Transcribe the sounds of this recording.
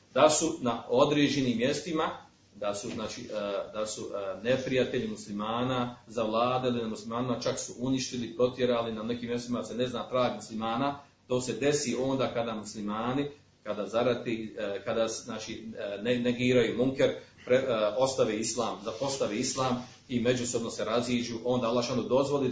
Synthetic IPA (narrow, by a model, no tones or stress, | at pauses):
d̪asunao̞d̪ɾeːd͡ʒeniːmːje̞st̪ima | d̪asuznaːt͡ʃiːd̪asune̞pɾijat̪e̞ʎimuslimaːnazaʋlˠaːd̪eilinamuslimaːnimat͡ʃaksuʔuniʃt̪ilipɾo̞t̪je̞ɾaːlinane̞kiːmje̞st̪imad̪sene̞znaːt̪ɾaːɡmuslimaːna | t̪o̞ːse̞d̪e̞siʔo̞ːnd̪aːkad̪amuslimaːni | kad̪aːzaɾat̪ekad̪asnaːt͡ʃineneɡiːɾajubuŋkeɾ | pɾeo̞st̪aʋeːislˠaːmzapo̞st̪aʋeislˠaːm | ime̞d͡ʒuso̞bno̞se̞ɾaziːd͡ʒuːʔo̞ːnd̪aːalːaːʃanod̪o̞zʋo̞li